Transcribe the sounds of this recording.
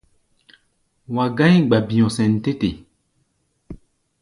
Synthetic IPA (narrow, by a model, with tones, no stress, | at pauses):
wa˨ɡã˦jɡ͡ba˨bĩ˨ɔ̃˨sɛ̃˨n̩˨te˦te˨